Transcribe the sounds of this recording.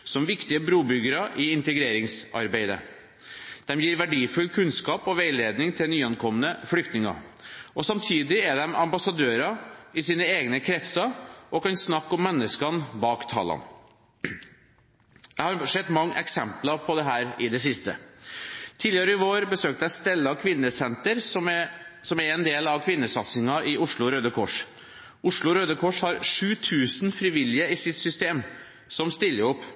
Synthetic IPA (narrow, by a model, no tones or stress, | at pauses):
sɔmʋɪkt̪ɪəbɾuːbʏɡəɾɑʔɪɪnt̪əɡɾeːɾɪŋsɑ̰ɾbeɪd̪ə̰ | d̪̥ɛmjiːɾʋæɖiːfʉlkʰʉnskɑːpɔʋeɪleːd̪nɪŋt̪ʰɪlnyːɑnkʰɔmːənəflʏkt̪nɪŋɑ̰ | ʔɔsɑmt̪ʰiːd̪ɪɛɖ̪ɛmɑmbɑsɑd̪øːɾɑɪsiːnəeːɡnəkʰɾɛt̪sɑʔɔkɑnsnɑkːɔmːɛnːəskɑnbɑːkt̪ʰɑ̰ːlɑ̰n | æɪhɑɾʂɛd̪ːmɑŋːʔɛksɛmplɑpʰɔd̪ɛɦæːɾɪd̪ɛsɪst̪ə̰ | t̪ʰiːd̪lɪɑɾəɪʋoːɾbəsøːk̚t̪əæst̪ɛlːɑkʰʋɪnːəsɛnt̪əɾsɔmɛsɔmæɾɛnd̪eːlɑʋkʰʋɪnːəsɑt̪sɪŋɑʔɪʊʂɭʊɾøːd̪əkʰɔʂ | ʊʂɭʊɾøːd̪əkʰɔʂhɑɾʂʉːt̪ʰʉːsnfɾɪʋɪljəɪsɪt̪sʏst̪eːm | sɔmst̪ɪlːəʊpː